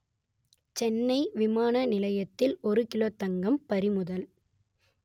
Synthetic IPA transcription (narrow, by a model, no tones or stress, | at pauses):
t͡ʃɛnːɐɪʋɪmaːnɐnɪlɐjɐt̪ːɪlɔɾɯkɪloːt̪ːɐŋɡɐmpɐɾɪmʊðɐl